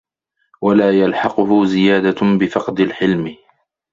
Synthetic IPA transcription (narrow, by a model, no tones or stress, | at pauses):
walaːjalħɑqʊɦʊzɪjaːd̪abɪfɑqd̪alħɪlmɪ